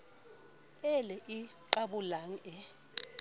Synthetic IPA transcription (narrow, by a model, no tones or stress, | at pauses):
ɛlɛʔiǃaɓulaŋ̩ɛ